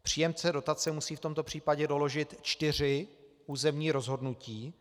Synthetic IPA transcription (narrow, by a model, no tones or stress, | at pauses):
pr̝̥iːjɛmt͡sɛdo̞t̪at͡sɛmusiːft̪o̞mt̪o̞pr̝̥iːpaɟɛdo̞lo̞ʒɪt̪t͡ʃt̪ɪr̝ɪ | uːzɛmɲiːɾo̞zɦo̞dnuciː